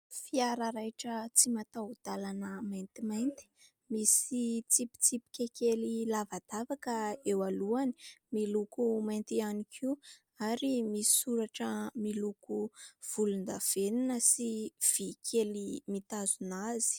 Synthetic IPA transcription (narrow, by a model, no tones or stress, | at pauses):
fiaɾəɾajʈ͡ʂət͡simat̪aud̪̥alanəmajnt̪imajnt̪i̥ | misit͡sipi̥t͡sipi̥kʲekelilavad̪̥avakəewaluani̥milukumajnt̪ianikʰi | aɾimisi̥suɾaʈ͡ʂəmilukuv̥ulund̪av̥eninəsiv̥ikʰelimit̪azunaz̥i̥